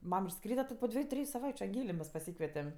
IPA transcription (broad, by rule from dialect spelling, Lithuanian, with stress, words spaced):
ˈmɐm ɪʃˈskrʲiːdɐ tʲɪ poː ˈdʲʋʲiɛjʊ ˈtʲrʲɪjʊ sɐˈʋɐɪt͡ʃʲʊ ɐŋʲˈɡʲeːlʲeː mʲɛs pɐˈsʲiːkʋʲɛtʲɛm